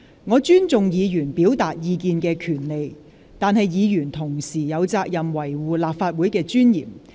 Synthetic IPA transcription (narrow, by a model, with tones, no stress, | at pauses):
ŋɔː˨˧t͡ʃyː˥nt͡sʊ˨ŋjiː˨˧jyː˨˩npiː˨˥wt̪aː˨t̚jiː˧kiː˨˧nkɛː˧kʰyː˨˩nle˨j | t̪aː˨˧nɦɐ˨jjiː˨˧jyː˨˩nt̪ʰʊ˨˩ŋsiː˨˩jɐ˨˧wt͡saː˧k̚jɐ˨mwɐ˨˩jwuː˨laː˨p̚faː˧t̚wuː˨˥jkɛː˧t͡ʃyː˥njiː˨˩m